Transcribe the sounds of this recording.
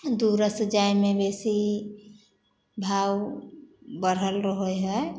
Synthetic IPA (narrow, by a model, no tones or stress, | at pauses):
d̪uɾəsd͡ʒajmebesi | bʱaw | bəɾəlɾəɦojɦə